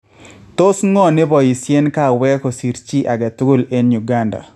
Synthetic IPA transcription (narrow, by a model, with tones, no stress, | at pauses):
t̪o˦sŋɔ˦nɪ˦bɔ˨ji˨sje˦nka˦˨wɛ˦kɔ˨si˨ɾt͡ʃi˦ʔa˨ɡa˨t̪ɡo˦le˦nju˨ɡa˦nda̰˨